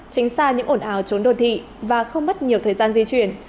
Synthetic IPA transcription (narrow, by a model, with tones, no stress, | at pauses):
t͡ɕi˨˦ŋ̟saː˧ɲɨ̰˧˥ŋʔo˧˩nʔaː˨˦wt͡ɕo˨˦nɗo˧˨˩nt̪ʰḭ˧˨ | vaː˨˩xə˧wŋ͡mmə˦˥t̚ɲi˨˩əwt̪ʰəː˨˩jzaː˧nzi˧t͡ɕwi˧˩ən